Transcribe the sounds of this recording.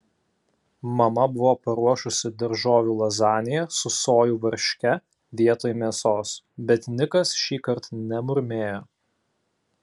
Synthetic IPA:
mɐmɐbʊʋoːpɐɾuɔʃʊsʲɪd̪ɐɾʒoːʋʲuːlˠɐzɑːnʲɪjɛsʊsoːjuːʋɐɾʲʃʲkʲɛ | ʋʲiɛt̪oːjmʲiɛsoːs | bʲɛt̪ʲnʲɪkɐsʃʲiːkɐɾt̪nʲɛmʊɾʲmʲeːjoː

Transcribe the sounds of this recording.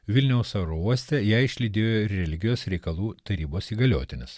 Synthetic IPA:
ʋʲɪlʲnʲɛʊsɐɾouɔsʲt̪ʲɛjæɪʃʲlʲɪd̪ʲeːjoːɪɾːʲɛlʲɪɡʲɪjoːsɾʲɛɪkɐlˠuːt̪ɐɾʲiːboːsiːɡɐlʲo̰ːt̪ʲɪnʲɪs

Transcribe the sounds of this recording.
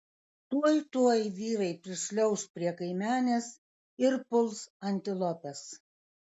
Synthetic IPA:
t̪uɔjt̪uɔjʋʲiːɾɐɪpʲɾʲɪʃʲlʲɛʊspʲɾʲiɛkɐɪmʲæːnʲes | ɪɾpʊlˠsɐnʲt̪ʲɪlˠɔpʲɛs

